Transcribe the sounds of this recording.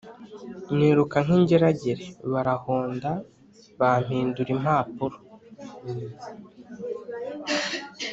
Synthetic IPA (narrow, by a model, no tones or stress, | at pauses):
mwiːɾukaŋ̥iɲɟeɾaɟeɾeβaɾahoːnda | βam̥hiːnduɾim̥haːpuɾo